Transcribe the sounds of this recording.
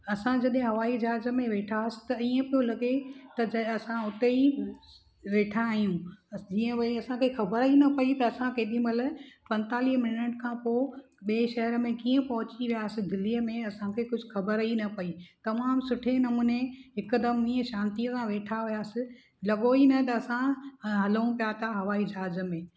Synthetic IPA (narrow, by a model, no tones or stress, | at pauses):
ɐsãd͡ʑɐɗɦẽɦɐʋaːid͡ʑaːzə̆mẽʋeːʈʰaːsɪ̥t̪ɐiːə̃pijolɐɡet̪ɐd͡ʑɐɐsãʊt̪ei | ʋeːʈʰãːɦijũd͡ʑiːə̃ʋɐɐsãkʰexɐbəɾɦinɐpɐit̪ɐɐsãkeːɗĩmɐləpɐ̃nt̪aːliɦmɪlɪnəʈkʰãpoː | ɓeːʃɐɦəɾəmẽkiːə̃pɐɦʊt͡ɕiʋijaːsɪ̆d̪ɪlːiːəmẽɐsãkʰekʊd͡ʑʱʊxʰɐbəɾɦinɐpɐit̪ɐmaːmsʊʈʰenɐmuːneɦɪkəd̪əmiːə̃ʃãːnt̪iəsãʋeːʈʰaʋijaːsɪ | lɐɠoinɐ̃t̪ɐɐsãɦɐləũpijat̪ʰaɦɐʋaːid͡ʑaːzə̆mẽː